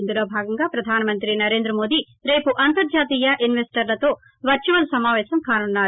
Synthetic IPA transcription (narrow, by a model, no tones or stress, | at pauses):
nd̪ulo̞ːbʱaːɡɐŋɡaːpɾɐd̪ʱaːnɐmɐnt̪ɾinɐɾe̞ːnd̪ɾɐmo̞ːd̪i | ɾe̞ːpuʔɐnt̪ɐɾd͡ʒaːt̪iːjɐʔinʋesʈɐɾlɐt̪o̞ː | ʋɐɾt͡ʃuʋɐlsɐmaːʋɛːsɐmkaːnunːaː